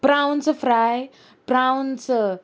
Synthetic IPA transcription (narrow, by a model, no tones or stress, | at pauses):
b̥ɾawnt͡sɐfɾaj | pɾawnt͡sə